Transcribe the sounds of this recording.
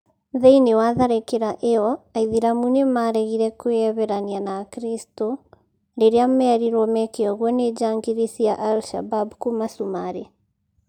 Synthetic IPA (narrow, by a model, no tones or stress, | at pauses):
ðɛinewaðaɾekeɾaʔeɔaiðiɾamunemaɾɛɣiɾɛkoɛβɛɾanianakɾisto | ɾeɾeamɛɾiɾɔmɛkeɔɣwɔned͡ʒaŋɡiɾisijaʔalʃa̰babkumasumaɾe